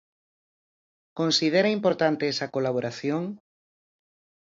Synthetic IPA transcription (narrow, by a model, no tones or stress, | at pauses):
konsiðeɾɐimpoɾt̪ant̪eɛsɐkolaβ̞oɾaθjoŋ